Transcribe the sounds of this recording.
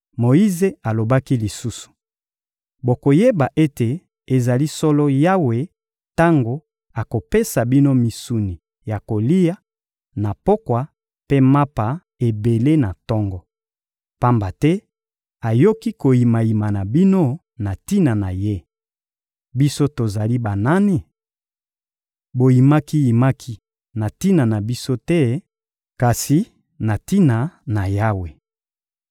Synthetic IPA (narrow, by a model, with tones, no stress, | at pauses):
mo˨i˦ze˦a˨lo˨ba˦ki˦li˨su˦su̥˨ | bo˨ko˨je˦ba˨ʔe˦te˨ | e˨za˨li˦sɔ˦lɔ˦ja˦we˨ | ta˦ŋɡo˨ | a˨ko˨pe˦sa˨bi˦no˦mi˨su˨ni˨ | ja˨ko˨li˦ja˦ | na˨po˦kwa˨ | pe˦ma˦pa˨ | e˨be˨le˦na˨tɔ˦ŋɡɔ˦ | pa˦mba˨tɛ˦ | a˨jo˦ki˦ko˨ji˨ma˨ji˨ma˨na˨bi˦no˦ | na˨ti˦na˨na˨je˦ | bi˦so˦to˨za˨li˦ba˨na˦ni˨ | bo˨ji˨ma˦ki˦ji˨ma˦kʰi˦ | na˨ti˦na˨na˨bi˦so˦tɛ˦ | ka˨si˨ | na˨ti˦na˨na˨ja˦we˨